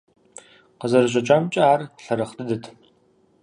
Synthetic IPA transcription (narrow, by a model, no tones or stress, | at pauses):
qəzɐɾɨɕ̬ʼɐt͡ʃʼaːmt͡ʃʼɐaːrɬɐɾɐχdɨdɨtʰ